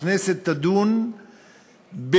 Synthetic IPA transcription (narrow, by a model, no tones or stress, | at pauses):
neset̪ːad̪un | b